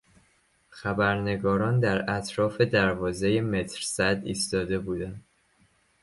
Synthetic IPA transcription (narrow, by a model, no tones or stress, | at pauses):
xæbæɾne̞ɡɒːɾɒːnd̪æɾæt̪ʰɾɒːfe̞d̪æɾvɒːze̞jemet̪ʰɾsæd̪iːst̪ɒːd̪e̞buːd̪ænd̪